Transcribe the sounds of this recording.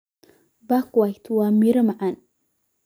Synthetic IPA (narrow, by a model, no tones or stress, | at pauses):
bakwajt̪ʰuwamiɾəmaʕan